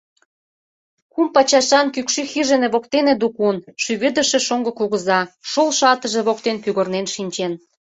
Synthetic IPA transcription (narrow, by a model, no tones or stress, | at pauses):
kumpɑt͡ɕɑʃɑnkykʃyxiʒenĕβok̚t̪enĕd̪ukunʃyɣə̆d̪ə̆ʃĕʃoŋɡɤ̆kuɣə̆zɑʃolʃɑt̪ə̆ʒĕβok̚t̪enpyɣə̆rnenʃinʲt͡ɕen